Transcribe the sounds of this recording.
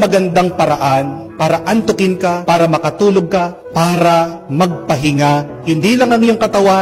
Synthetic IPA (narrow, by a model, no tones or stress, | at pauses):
mɐɡɐnd̪aŋpɐɾɐʔanpaːɾɐʔɐnt̪ʊkɪnkapaːɾɐmɐkɐt̪uːloɡ̚kɐ | paːɾɐmɐɡ̚pɐɦɪŋa | hɪnd̪iːlɐŋɐŋɪjoŋkɐt̪ɐwa